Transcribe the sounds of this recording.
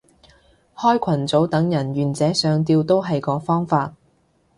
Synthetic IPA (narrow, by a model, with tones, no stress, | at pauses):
hɔː˥jkʷʰɐ˨˩nt͡so˨˥wt̪ɐ˨˥ŋjɐ˨˩nɥyː˨˩nt͡sɛː˨˥sœː˨˧ŋt̪̬iː˧wt̪o˥wɦɐ˨jkɔː˨˧˥fɔː˥ŋfaː˧t̚